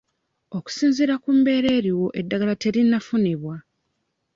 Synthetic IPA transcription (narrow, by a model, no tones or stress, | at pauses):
o̞ku̥siːnziɾakumbe̞ːɾe̞ːɾiwo̞ʔe̞dːaɡalate̞ɾinːafuniβwa